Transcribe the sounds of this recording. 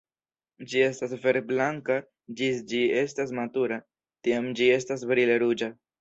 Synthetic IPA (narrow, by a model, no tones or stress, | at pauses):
d͡ʒie̞stasfe̞ɾblaŋka | d͡ʒisd͡ʒie̞stas̬matuɾa | tiamd͡ʒie̞stas̬bɾile̞ɾud͡ʒa